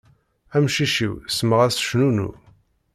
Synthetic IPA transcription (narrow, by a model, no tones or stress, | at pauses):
æmʃiʃiwsməʁæsʃnunṵ